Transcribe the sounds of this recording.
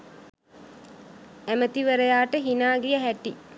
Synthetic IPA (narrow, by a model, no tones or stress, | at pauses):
æmət̪iʋəɾəjaːʈəɦinaːɡijəɦæʈi